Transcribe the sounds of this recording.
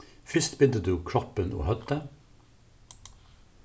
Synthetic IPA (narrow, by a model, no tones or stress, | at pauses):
fʏst̪bɪd̪əd̪ʉːkʰɾɔpəno̰ːhœt̪ə